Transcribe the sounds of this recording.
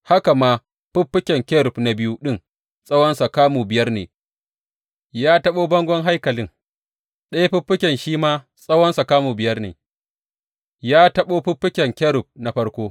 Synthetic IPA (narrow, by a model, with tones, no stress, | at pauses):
ha˦ka˨maː˦ | ɸʊ˦pːɪ˦kʲɛ˨ŋkʲɛ˦ɾʊ˨pna˨bɪ˦ju˦ɗɪ˦ŋ | sʼɐ˦wɐ˦nsa˨kaː˦muː˨bɪ˨jɐ˦rnḛː˨ | jaː˦tɐ˦ɓoː˦bɐ˦ŋɡʷɔ˦ŋɦa˦jkɐ˨lɪ˦ŋ | ɗa˦jɸɪ˦ɸːɪ˦kʲɛ˨nʃiː˦maː˦ | sʼɐ˦wɐ˦nsa˨kaː˦muː˨bɪ˨jɐ˦rnḛː˨ | jaː˦tɐ˦ɓoː˦ɸʊ˦pːɪ˦kʲɛ˨ŋkʲɛ˦ɾʊ˨p̚na˨ɸɐ˦ɽkʷoː˦